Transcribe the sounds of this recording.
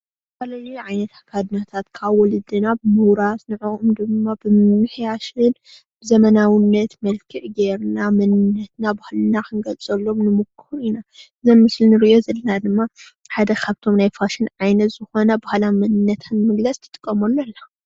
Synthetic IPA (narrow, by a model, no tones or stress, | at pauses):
balaluʕajnɐt̪akʰad̪nat̪ʰat̪kʰaβɔlɨd̪ɨnabɨmuwɾat̪nɨʕoʔʼumd̪ɨmːabɨmmɨħjaʃɨn | b̥ɨzɐmɐnawɨnːɐt̪mɐlkʰɨʕɡeɾnamɐnɨnːɐt̪nabahlɨnaxɨnɡɐlt͡sʼɐlːo̞mnɨmukʰːuɾinaʔɨzomːɨslinɨɾɨʔo̞zɐlɐnad̪ɨmːa | ħad̪ɐkʰaβt̪ʰo̞mnajfaʃɪnʕajnɐt̪z̥ɨxo̞nɐbahlamɐnɨnːɐt̪ʰanːmɨɡlɐsʼt̪ʰɨ̥t̪ʼɨkʼːɐmolːɐlːa